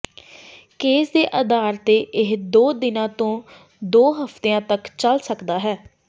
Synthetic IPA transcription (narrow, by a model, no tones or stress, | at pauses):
keːsd̪eːʔəd̪aːɾt̪eːʔɪɦd̪oːd̪ɪnãːt̪õː | d̪oːɦəft̪eːãːt̪əkt͡ʃəlsəkd̪aːɦɛː